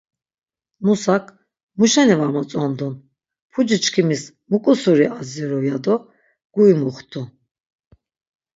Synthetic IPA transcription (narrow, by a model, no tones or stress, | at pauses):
musakʰ | muʃɛnivamɔt͡sʼɔnd̪un | pʰud͡ʒit͡ʃkʰimis | mukʼusuɾiaziɾɔjad̪ɔ | ɡ̥uimuχt̪ʰu